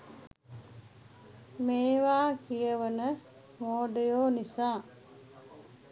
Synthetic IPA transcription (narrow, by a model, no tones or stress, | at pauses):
meːʋaːkijəʋənə | moːɖejoːnisaː